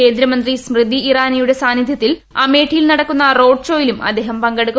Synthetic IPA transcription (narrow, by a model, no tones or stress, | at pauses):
e̞ːnd̪ɾɐmɐnd̪rismrɨd̪ʱːiiraːnijuɽe̞saːnːid̪ʱjɐt̪ːil | ɐme̞ːʈʰijilnɐɽɐkːunːɐro̞ːɖʂo̞ːjilumɐ̰d̪ːeːɦɐmpɐŋɡeɽukː